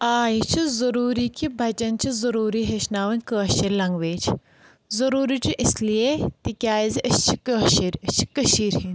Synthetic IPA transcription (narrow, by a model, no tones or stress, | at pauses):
aːjit͡ʃʰizɐɾuːɾikʲibʱɐt͡ʃɐnt͡ʃizɐɾuːɾiːɦeʃnaːʋɐnʲkəːʃɐɾʲlɐŋɡʋeːt͡ʃʰ | zɐɾuːɾiːt͡ʃiʔislijet̪ikʲaːjziʔɐst͡ʃʰikəːʃiɾʲɐst͡ʃʰi̥kəʃiːɾhin